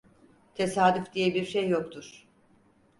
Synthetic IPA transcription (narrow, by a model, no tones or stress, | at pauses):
t̪ʰesaːd̪yfd̪ijɛbiɾʃejːokt̪ʰuɾ̥